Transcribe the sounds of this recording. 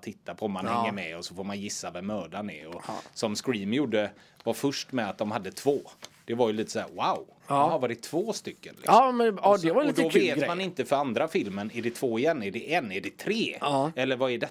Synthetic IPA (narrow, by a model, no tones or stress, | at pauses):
t̪ʰːɪt̪ːapʰɔɔmːanhhɛːəɾmɛɔsɔfoːɾmanjɪsːavɛmːœːɖanɛ̰ɾɔsɔmskɾiːmjuːɖːə | vaɾfɵʂʈmɛat̪̚d̪ɔmhad̪ːət̪ʰvoːd̪̥ɛvaɾjɵliːt̪ə̥sæːɾwaʊ | ɔmhaɾvɑːɾɪt̪ʰv̥oːst̪ʏkːə̰nlɪkɔmɛɑd̪ɛvaɾlidɔveːt̪manɪnt̪əfœɾand̪ɾafɪlmənɛɖɛt̪ʰv̥oːɪjɛnːæɖɛʔɛnːæɖɛt̪ʰɾeːɛlːəɾvaɛɖɛ